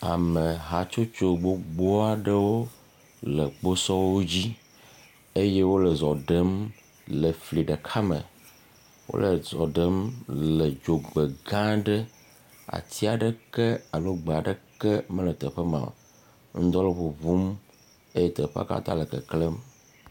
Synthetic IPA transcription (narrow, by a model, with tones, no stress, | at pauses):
a˨me˨ɦa˨t͡ʃo˦t͡ʃo˦ɡ͡bo˦ɡ͡bɔ˦a˨ɖə˦wo˦ | lə˨k͡po˦sɔ˦wwo˦d͡ʑi˦ | e˦je˦wo˦lə˨zɔ˨ɖə˦m | lə˨fli˨ɖə˨kʰa˦mə̰̃˨ | wo̰˦lə˨zɔ˨ɖə˦mlə˨d͡ʒo˨ɡ͡be˨ɡã˦ɖə˦ | a̰˨t̪i˦a˨ɖə˦kɛ˦a˨lo˦ɡ͡be˨a˨ɖə˨kɛ˦mə̃˦lə˨t̪ə˨ɸə˦mã̰˨ | ŋ̩˦d̪ɔ˦le˨ɸo˨vu˦m | e˦je˦t̪ə˨ɸe˦a̰˦ka̰˦t̪a̰˦lə˨kə̰˨kle˦m